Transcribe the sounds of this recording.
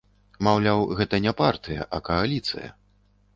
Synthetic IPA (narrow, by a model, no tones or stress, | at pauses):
mawlʲawɣɛt̪ɐnʲɛpart̪ɨjɐ̰ʔɐkɐalʲit̪sɨ̰jɐ̰